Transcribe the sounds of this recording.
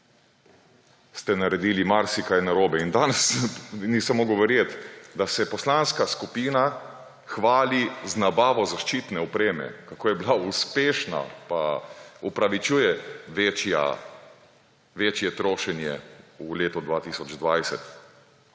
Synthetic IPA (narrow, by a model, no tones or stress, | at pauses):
st̪ɛnaɾɛd̪iːlimaɾsikajnaɾoːbɛind̪aːnɛsnisamoɡoʋɛɾjet̪d̪asɛpɔslanskaskupiːna | xʋaːliznabaːʋɔzaʃt͡ʃiːt̪nɛɔpɾeːmɛ̰kakoːjɛblauspeːʃna̰paupɾaʋit͡ʃuːjɛʋeːt͡ʃja̰ | ʋeːt͡ʃjɛt̪ɾoːʃɛnjɛ̰uleːt̪ɔd̪ʋaːt̪isɔd͡ʒd̪ʋajsɛt̪